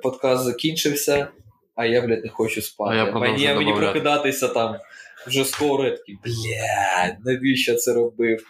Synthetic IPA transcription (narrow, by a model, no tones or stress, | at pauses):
pɔt̪kɑst̪zɐkʲinʲʃɪwsʲɐ | ɐjablʲɛt̪ʲnɛxot͡ʃʊspɑt̪ɪmɛnʲijamenipɾɐkɪd̪ɑt̪ɪsʲɐt̪ɑmwʒɛsk̪ɔɾʊɛt̪ɐ̥kʲiblʲænɐʋʲiʃɐt̪sɛɾɐbɪw